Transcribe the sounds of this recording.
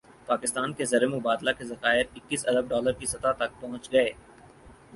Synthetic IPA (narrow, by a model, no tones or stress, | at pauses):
paːkɪst̪aːnkezɐɾemʊbaːd̪lakezɐxaːɪɾɪkːiːsɐd̪əb̚ɖɔːləɾkisɐt̪at̪ɐk̚pɔɦʊ̃t͡ʃɡɐeː